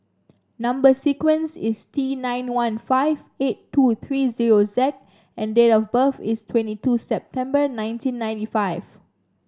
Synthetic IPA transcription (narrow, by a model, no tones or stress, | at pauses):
nãmbəsikwə̃nsistʰinãj̃nwãnfaɪv | etːut̪ʰɹiziɹozɛk̚ | ɛ̃ndetɔfbəfistʰwɛ̃ntitusɛp̚tʰɛ̃mbənãɪ̃ntĩnːãj̃ntifaɪv̥